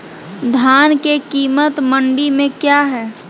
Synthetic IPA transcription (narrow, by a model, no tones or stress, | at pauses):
d̪ʱaːnkekiːmət̪mə̃ɳɖimẽkjaɦɛː